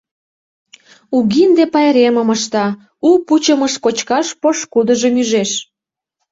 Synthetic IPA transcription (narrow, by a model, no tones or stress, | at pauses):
uɣind̪epɑjɾeməməʃt̪ɑ | uput͡ɕəməʃkot͡ɕkɑʃpoʃkud̪əʒəmyʒeʃ